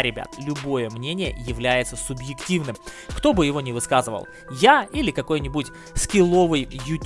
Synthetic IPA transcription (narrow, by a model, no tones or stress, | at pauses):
ɾʲɪbʲa̰t̪lʲʊbo̞jəmnʲenʲɪjə̰jɪvlʲæjɪt̪səsʊbjɪktʲivnɨm | kt̪o̞bɨjɪvo̞nʲɪvɨskazɨvə̰lˠ | jailʲɪkɐko̞jnʲɪbutʲ | skʲɪlˠo̞vɨjjʊtʲ